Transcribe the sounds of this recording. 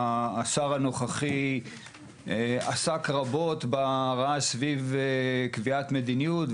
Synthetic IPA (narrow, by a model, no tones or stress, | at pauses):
saʁano̞χaχi | asakʁabo̞t̪baʁaasvivkviat̪med̪inijut